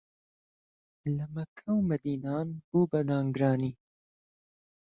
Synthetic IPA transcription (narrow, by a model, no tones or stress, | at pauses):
lɐmɐkʰɐwmɐd̪iːnaːnb̥uːbɐd̪aːŋɡɾɑːniː